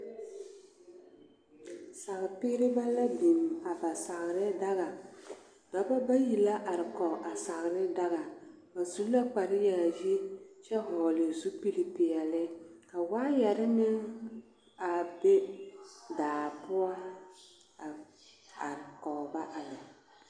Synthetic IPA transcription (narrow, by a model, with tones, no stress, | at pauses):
sa˨ɣɪ˨pɪ˦ɡɾɪ˦ba˦la˦bi˨ma˨ba˨sa˨ɣɾɪ˦da˦ɣa˨ | da˨ba˦ba˦ji˨la˦ʔa˨ɾɪ˨kɔ˨ʔa˨sa˨ɣɾɪ˦da˦ɣa˨ | ba˨zu˦la˦k͡pa˨ɾɪ˦ja˨ji˦t͡ʃɛ˦hɔː˨lɪ˨zu˦pi˦li˨pɪ˨a˨lɪ˦ka˨waː˦ja˨ɾɪ˦nɪ˦ŋ | a˨be˦ | daː˨pʊ˦a˦ | a˨ | a̰˨ɾɪ˨kɔ˨ba˦ʔa˨la˨